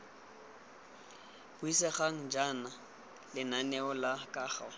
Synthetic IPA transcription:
b̥ʊisɛχaŋ̩d͡ʒana | lɪnanɛɔlakʼaːχa

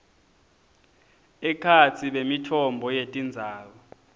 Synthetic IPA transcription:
ɛkʰat͡sʰiɓemitʰɔmbʱɔjetʼind͡zʱaːkɔ

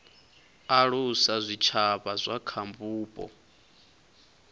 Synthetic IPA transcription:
aɺusazʷit͡ʃʰaβazʷakʰambuːpʼɔ̰

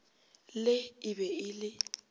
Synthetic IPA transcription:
lɪɪbɛɪlɪ

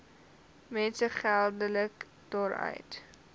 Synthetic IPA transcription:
mɛnsəχælˠdələk | d̥ɑːɾœ̰ɥt

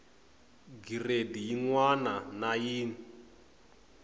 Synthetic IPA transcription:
ɡiredijiŋwananajiːni

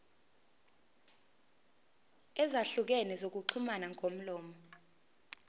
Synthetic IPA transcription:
ɛzaɬuk̬ɛnɛzok̬uǃʰumanaŋʱom̩lɔːmɔ

